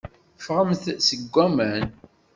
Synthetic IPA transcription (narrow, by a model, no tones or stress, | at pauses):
fʁəmθsəɡʷːæmæn